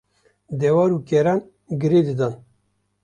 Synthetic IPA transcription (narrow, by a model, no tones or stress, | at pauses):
d̪ewaɾuːkeɾan | ɡɨɾed̪ɨd̪an